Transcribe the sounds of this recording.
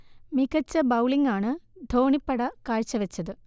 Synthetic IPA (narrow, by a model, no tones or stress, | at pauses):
mikɐt͡ɕːɐbɐwɭiŋɡaːɳɨd̪ʱo̞ːɳipːɐɽɐkaːɻt͡ɕːɐʋɐt͡ɕːɐðɨ